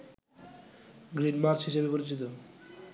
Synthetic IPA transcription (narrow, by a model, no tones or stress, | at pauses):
ɡɾinmaɾt͡ɕɦiʃebepoɾit͡ɕit̪̬o